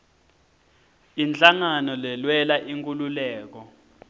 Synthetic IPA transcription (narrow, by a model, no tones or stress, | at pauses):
ind͡ɮaŋanɔlɛlwɛlaʔiŋkʼululɛːk̬ɔ